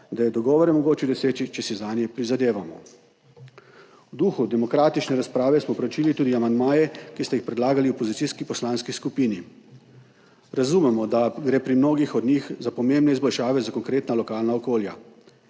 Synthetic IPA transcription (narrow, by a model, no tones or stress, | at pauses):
d̪ajɛd̪ɔɡɔːʋɔɾɛmɔɡoːt͡ʃjɛd̪ɔseːt͡ʃit͡ʃɛsizaːnjɛpɾizad̪eːʋamɔ̰ | wd̪uːxud̪ɛmɔkɾaːt̪it͡ʃnɛɾaspɾaːʋɛsmɔpɾɛwt͡ʃiːlit̪uːd̪iamand̪maːjɛkist̪ajixpɾɛd̪laːɡaliopɔzit̪siskipɔslaːnskiskupiːni | ɾazuːmɛmɔd̪aɡɾeːpɾimnoːɡixɔd̪nʲixzapɔmembnɛizbɔlʃaːʋɛzakɔŋkɾeːt̪nalɔkaːlnaɔkoːlja̰